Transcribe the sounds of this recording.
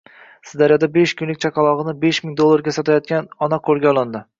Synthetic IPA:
sɪzd̪aɾjɒd̪abeʃkʰʲʊnlɪk̚ʲt͡ʃʰaqʰɑlˠɒʁɨnɪbeʃmɪŋd̪olˠːaɾɡʲasɒt̪ʰajɒt̪̚kʲanɒnaqʰɵɾɡʲaɒlˠɪnd̪ɪ

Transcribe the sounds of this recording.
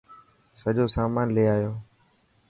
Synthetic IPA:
səʄoːsaːmaːnleːaːjoː

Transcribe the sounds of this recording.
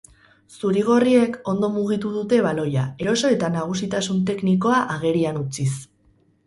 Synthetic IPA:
suɾiɣ̞o̞rie̞ko̞nd̪o̞muɣ̞it̪uðut̪e̞βalo̞jae̞ɾo̞so̞e̞t̪anaɣ̞usit̪asunt̪e̞kniko̞aʔaɣ̞e̞ɾianut͡sis

